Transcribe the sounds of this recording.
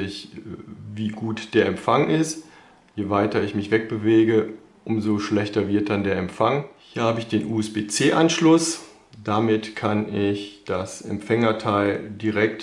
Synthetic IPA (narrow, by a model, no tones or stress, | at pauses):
ɪç | viːɡuːtd̥eːɐɛmfaŋɪst | jeːvaɪtɐɪçmɪçv̥ɛk̚b̥əveːɡə | ʔʊmzoʃlɛçtɐvɪɐt̚d̥andeːɐɛmfaŋhiːɐhaːbəɪçd̥eːnʔuːɛsb̥eːt͡seːʔanʃlʊs | d̥amɪtkʰanɪçd̥asɛ̰mfɛŋɐtʰaɪldiʁɛk̚t